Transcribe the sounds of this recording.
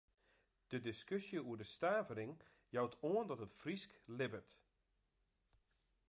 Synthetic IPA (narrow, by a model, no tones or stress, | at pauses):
d̥ədɪskøsjəuədəstaːvəɾɪŋ | jawtʰoəndɔtətfrisklɪbərt